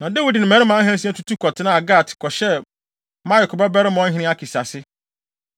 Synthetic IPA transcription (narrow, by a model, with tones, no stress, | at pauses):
nã˨dɛ˦wi˨dɪ˨nɪ̃˨mæ̃˨ɾɪ˦mã˨˦ɦɛ̃˦s̬ĩ˦ɛ˦tʰu˦tʰu˦kʰɔ˨tʰɪ˨˦nã˦˨a˨ɡa˦˨tʰkʰɔ˨ɕɛ˦ | mã˦ɪ˨kʰʊ˨ba˦bɛ˦ɾɪ˦mʊ̃˨ɔ̃˦ɦɪ̃˦nɪ̃˦a˦kʰi˨sa˨sɪ˦